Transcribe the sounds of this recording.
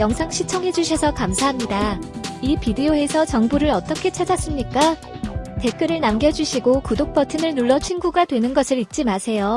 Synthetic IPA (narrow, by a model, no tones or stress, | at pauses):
jʌŋsʰaŋɕʰit͡ɕʰʌŋɦe̞d͡ʑuɕʰʌsʰʌkamsʰaɦamɲidaipidioɦe̞sʰʌt͡ɕʌŋbuɾɯɾʌt͈ʌkʰe̞t͡ɕʰad͡ʑas͈ɯmɲik͈a | te̞k͈ɯɾɯɭnamɡjʌd͡ʑuɕʰiɡokudok̚p͈ʌtʰɯnɯɭnuɭːʌt͡ɕʰinɡuɡadwe̞nɯnɡʌsʰɯɾit̚t͡ɕ͈imasʰe̞jo